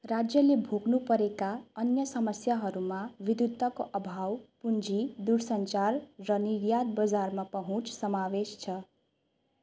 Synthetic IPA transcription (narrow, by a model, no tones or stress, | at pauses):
rad͡zjʌlebʱoɡnupʌɾekaʌnjʌsʌmʌsjaɦʌɾumaʋid̪ud̪ːʌkoʔʌbʱawpund͡zʱid̪uɾsʌnt͡sarrʌniɾjad̪̚bʌd͡zarmapʌɦũt͡sʰsʌmawest͡sʰʌ